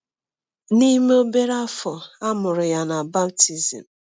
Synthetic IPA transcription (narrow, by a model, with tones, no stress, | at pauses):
ni˦me˦o˦be˦ɾa˦fɔ˨a˦mʊ˨ɾʊ˨ja˨na˨ba˦bti˦zḭ˨m̩˨